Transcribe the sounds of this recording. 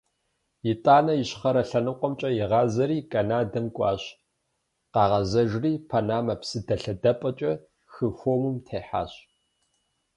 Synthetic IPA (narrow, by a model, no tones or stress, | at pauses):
jɪtʼaːnɐjɪɕχɐɾɐɬɐnɨqʷʼɔmt͡ʃʼɐjɪʁɑːzɐɾiːkʼɐnaːdɐmkʷʼɑːɕ | qɑːʁɐzɐʒriːpʰanaːmɐpsɨdɐɬɐdɐpʼɐt͡ʃʼɐ | xɨfoːmumtʰeːħa̰ːɕ